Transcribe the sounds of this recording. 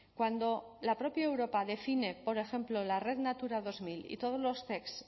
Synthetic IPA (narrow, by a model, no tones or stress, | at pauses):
kwand̪o̞ | lapɾo̞pjaewɾo̞paðe̞fine̞po̞ɾe̞xe̞mplolare̞ðnat̪uɾaðo̞zmilḭt̪o̞ð̞o̞zlo̞st̪e̞ks